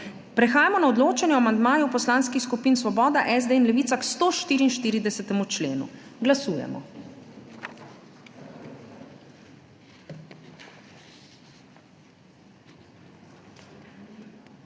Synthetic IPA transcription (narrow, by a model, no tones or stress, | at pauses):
pɾɛxaːjamɔnaɔd̪loːt͡ʃɛnjɛɔamand̪maːjupɔslaːnskixskupinsʋɔbɔːd̪aʔɛzd̪einlɛʋiːt̪sakst̪oːʃt̪iːɾiːnʃt̪iːɾid̪ɛsɛt̪ɛmut͡ʃlḛːnṵɡlasuːjɛ̰mɔ̰